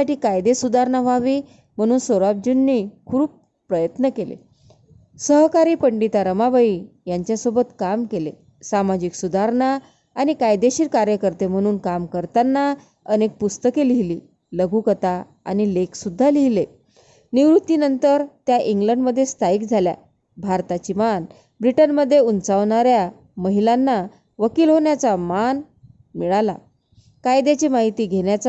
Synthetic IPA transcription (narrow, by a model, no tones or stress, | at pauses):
aʈiːkajd̪esud̪aɾnaʋaʋiː | m̤əɽ̃uːnsoɾab̚d͡ʑunːikʰuːp̚ | pɾəjət̪nəkelḛ | səɦkaɾiːpəɳɖit̪aɾəmabaəi | jaɲt͡ɕjasobət̪kamkelḛ | samad͡ʑiksud̪aɾɳaː | ñikajd̪eɕiːɾkaɾjəkəɾt̪em̤əɽ̃uːnkamkəɾt̪anːa | ənek̚pust̪əkeliɦliː | ləɡʱukət̪a | a̰ñileksud̪ʱːaliɦile | niʋɾut̪ːinənt̪əɾt̪jaʔiŋɡləɳɖməd̪ʱːjest̪ʰaiːkd͡zʱalja̰ | bʱaɾt̪at͡ɕiman | bɾiʈənməd̪ʱːjeunt͡saʋɳaɾja | məɦilanːa | ʋəkiːlɦoɳjat͡saman | miɭala̰ | kajd̪et͡ɕimaɦit̪iːɡʱeɳjat͡s